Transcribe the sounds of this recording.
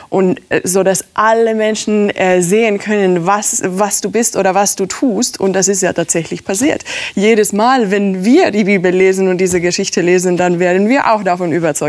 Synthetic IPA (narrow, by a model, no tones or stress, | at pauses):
ʔʊntzoːdasʔaləmɛnʃn̩ʔɛːzeːənkʰœnənvasvasd̥uːbɪstʔoːɾɐvasd̥uːtʰuːstʊ̰nt̚d̥asɪstja̰ːtʰaːtz̥ɛçlɪçpʰasiːɐtjeːɾəsmaːlvɛnviːɐdiːbiːbl̩leːzn̩ʊnt̚d̥iːzəɡəʃɪçtəleːzn̩danveːɐdn̩viːɐʔa̰ʊxd̥afɔnʔyːbɐt͡sɔʏ